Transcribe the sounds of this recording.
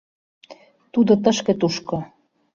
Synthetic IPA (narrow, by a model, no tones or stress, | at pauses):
t̪ud̪ot̪ə̆ʃkĕt̪uʃko